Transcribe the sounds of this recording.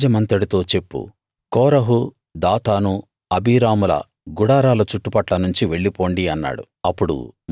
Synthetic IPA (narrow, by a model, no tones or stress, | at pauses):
d͡ʒɐmɐnt̪ɐɽit̪o̞ːt͡ʃe̞pːṵ | kɔːɾɐɦu | d̪aːt̪aːnu | ɐbʱiːɾaːmulɐ̰ | ɡuɽaːɾaːlɐt͡ʃuʈːupɐʈlɐnuɲt͡ʃiʋe̞ɭːipo̞ːɳɖiɐnːa̰ːɽṵ | ɐpːuɽṵm